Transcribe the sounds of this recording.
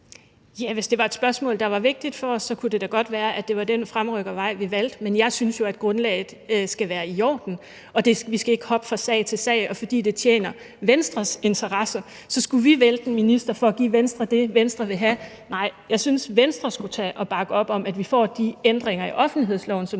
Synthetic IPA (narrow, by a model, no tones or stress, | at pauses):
jæʋe̝sd̥e̝ʋɑ̈e̝d̥sb̥ɶɐsmɔ̰̽ːld̥ɑ̈ʋɑ̈ʋe̝ɡ̥̚d̥id̥fɒ̽ɒ̽sːɒ̽kʰud̥e̝d̥æɡ̥ɒ̽d̥ʋæːɐʔæ̥e̝ʋɑ̈d̥en̰fʁamʁœɡ̥ðʋɑ̈ɪ̰ʋiʋæl̰d̥menjɑ̈ɪsynsjo̝æd̥̚ɡ̥ʁɔ̽nlɛ̰ːɪð̩ˠsɡ̥æʋæːɐijɒ̰ːd̥n̩ | ɒ̽d̥e̝ʋisɡ̥æe̝ɡ̥əhɒ̽b̥əfʁɑ̈sɛ̰ɪt͡sʰe̝lsɛ̰ɪɒ̽fɒ̽d̥ḭːd̥e̝t͡sʰjḛːnɐ | ʋensd̥ʁɐse̝nt͡sʰɐʁɑsɐ | sɒ̽sɡ̥uʋiʋeld̥enminisd̥ɐfɒ̽ːɡ̥ḭːʋensd̥ʁɐd̥e̝ʋensd̥ʁɐʋe̝ɦæ | nɑ̈ɪ̰jɑ̈ɪsynsʋensd̥ʁɐsɡ̥ut͡sʰɛ̰ːʔɒ̽b̥ɑ̈ɡ̥əɒ̽b̥ɒ̽mæd̥ʋifɒ̰ːd̥iend̥ʁeŋɐiʔɒ̽fn̩liɦe̝ð̞̰ˠslɒ̰ʊn̩sɒ̽m